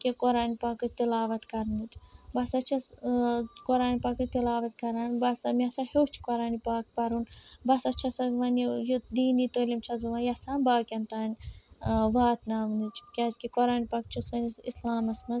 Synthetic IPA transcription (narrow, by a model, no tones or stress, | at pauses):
kikoɾaːnipaːkɨt͡ʃt̪ilaːʋɐt̪kɐɾnɨt͡ʃbɐsɐt͡ʃʰɐs | koɾaːnipaːkɨt͡ʃt̪ilaːʋɐt̪kɐɾaːnbɐsɐmʲasɐheːt͡ʃʰi̥koɾaːnipaːk̚pɐɾunbɐsɐt͡ʃʰɐsɐkʋɐnejod̪iːnit̪oːlimt͡ʃʰɐzɐʋɐjɐt͡sʰaːnbaːkʲɐnt̪aːnʲ | ʋaːt̪naːmnit͡ʃʰkʲaːd͡ʒkikoɾaːnipakt͡ʃʰusɐnisislaːmɐsmɐz